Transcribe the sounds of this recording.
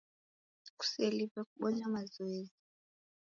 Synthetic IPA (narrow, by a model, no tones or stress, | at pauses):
ku̥selipɛkuɓɔɲamazɔeːzi